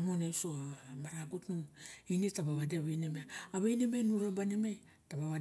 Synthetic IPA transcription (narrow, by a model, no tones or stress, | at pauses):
ŋonesoamaɾaɡutnuinetaβaβadeβejnemeaːβejnemejnuɾabanemej | taβaβa